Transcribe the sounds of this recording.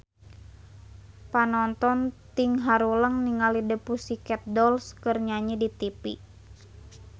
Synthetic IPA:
panɔnt̪ɔnt̪iŋɦaɾuləŋniŋalidəpusikɛt̪̚dɔlskərɲaɲidit̪ipi

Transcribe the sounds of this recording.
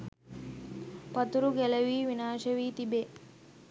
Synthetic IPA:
pɐt̪uɾuɡelɐʋiːʋinaːʃɐʋiːt̪ibe

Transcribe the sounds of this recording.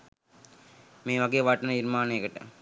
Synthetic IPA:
meːʋɐɡeːʋɐʈɐnɐiɾmaːneːkəʈə̰

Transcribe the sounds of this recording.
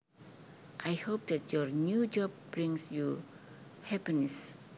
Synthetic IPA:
ʔajhop̚dɛtjɔɹnjud͡ʒɔb̚bɹĩŋsju | hɛpinɛs

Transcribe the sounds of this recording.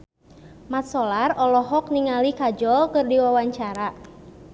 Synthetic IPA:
mat̪̚sɔlarɔlɔɦɔk̚niŋalikad͡ʒɔlkɨrdiwawaɲt͡ʃaɾa

